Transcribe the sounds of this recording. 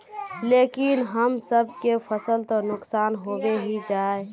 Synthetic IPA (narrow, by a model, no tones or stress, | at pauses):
lekinɦəmsəb̚ʱkepʰəsəlt̪ɔnʊksaːnɦobeɦid͡ʒaːe